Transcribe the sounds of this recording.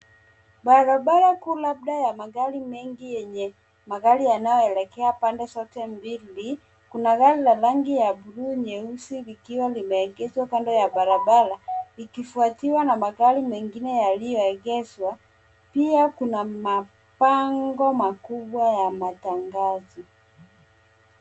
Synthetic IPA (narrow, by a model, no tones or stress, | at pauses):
balabalakulab̚dajamaɣalimɛŋɡijɛɲɛ | maɣalianajɔɛlɛkɛapandɛsɔtɛmbili | kunaɣalilalaŋɡijabuɾuɲɛusilikiwalimɛːɡɛzwakandɔjabalabalaikifuatiwanamaɣalimɛŋɡinɛjalijɔɛɣɛzwa | piakunama | paŋɡɔmakubwajamataŋɡazɔ